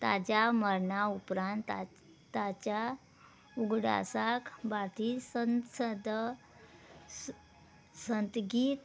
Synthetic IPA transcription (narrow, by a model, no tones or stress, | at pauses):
t̪a̰d͡ʑaməɾɳaupɾãnt̪ | t̪at͡ɕa | uɡɽa̰sakbat̪isənsəd̪ʱ | sənt̪ɡiːt̪